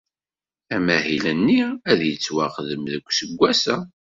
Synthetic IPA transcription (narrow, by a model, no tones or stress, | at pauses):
æmæhilənːiæðjət͡sːwaqəðəmðəkʷːsəɡʷːæsæ